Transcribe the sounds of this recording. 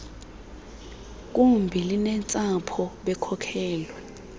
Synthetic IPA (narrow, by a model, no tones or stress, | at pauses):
k̬ʼumbʱilinɛnt͡sʼapʰɔɓɛkʰɔkʰɛːlwɛ